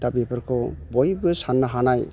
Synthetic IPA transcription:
d̪abɛpaɾkʰɔbɔjbuesanːaɦanaj

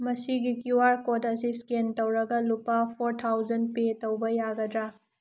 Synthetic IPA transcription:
mɐsiɡikuwaɾkodɐsiskentɐwɾɐɡɐlupːapʰoɾtʰawzɐnd̚petɐwbɐjaɡɐdɾa

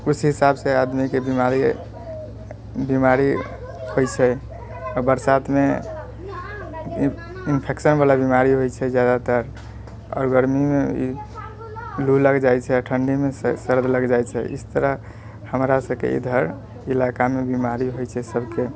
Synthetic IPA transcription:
usɦisabsead̪mikebimaɾi | bimaɾi | hojt͡ʃʰɛ | ɔɾbəɾsat̪me | inpʰeksənbalabimaɾiɦojt͡ʃʰɛd͡ʒjad̪at̪əɾ | ɔ̰ːɾɡəɾmimeḭ | luləɡd͡ʒajt͡ʃʰɛʈʰəɳɖimessəɾd̪ʱləɡd͡ʒajt͡ʃʰɛ̰ḭst̪əɾə | həmɾasəbkḛḭd̪ʱəɾ | ilakamebimaɾiɦojt͡ʃʰɛsəbʱke

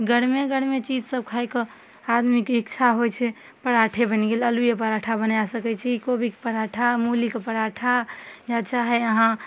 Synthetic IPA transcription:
ɡəɽmeɡəɽmet͡ʃid͡ʒsəb̚kʰajkɔ | ad̪mikikt͡ʃʰaɦojt͡ʃʰɛ | pəɾaʈʰebənɡeləlujepəɾaʈʰabənjasəkɛt͡ʃʰɛkobʱike̥pəɾaʈʰamulikepəɽaʈʰajat͡ʃaɦɛəɦã

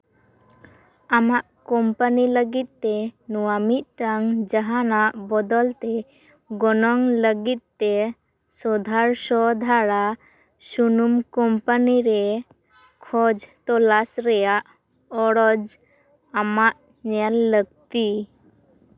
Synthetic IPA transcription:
amaʔkɔmpaniləɡit̪̚t̪ːɛnuwamit̪̚ˀʈaŋd͡ʒaɦanaʔbɔd̪ɔlt̪ɛ | ɡɔnɔŋləɡit̪̚t̪ːɛ | sɔd̪ʱaɾsɔd̪ʱaɽa | sunumkɔmpaniɾɛ | kʰɔd͡ʒt̪ɔlasɾɛjaʔ | ɔɽɔd͡ʒ | amaʔ | ɲɛlːəɡ̚t̪i

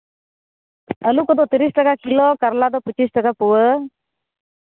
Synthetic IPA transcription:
əlukɔd̪ɔt̪iɾisʈəkakilɔkəɾlad̪ɔpət͡ʃisʈəkapuwə

